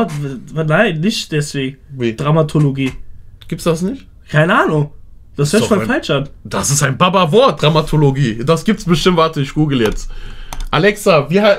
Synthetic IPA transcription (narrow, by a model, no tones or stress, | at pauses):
naɪnːɪçtd̥ɛsv̥eːɡŋ̩vid̥ʁamatʰoloɡiːɡ̥iːp̚tsd̥asnɪçt | kʰaɪnəaːnʊŋd̥ashœːmaːfalt͡ʃand̥asɪstaɪnbabavɔɐt̚d̥ʁamatʰoloɡiːd̥asɡ̥iːp̚tsb̥əʃtɪmtvaɐtəɪçɡ̥uːɡl̩jɛt͡stʔalɛksaviːɐa